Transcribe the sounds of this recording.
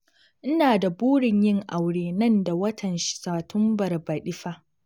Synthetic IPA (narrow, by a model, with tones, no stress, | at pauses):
ʔɪ˦naː˨da˨buː˦ɽɪ˨ɲjɪ˦ŋʔa˨wɽeː˨nɐ˦nda˨wɐ˦tʰɐ˨nʃɪ̥˨saː˨tʰʊ˦mbɐ˨rbɐ˨ɗɪ˦ɸa˦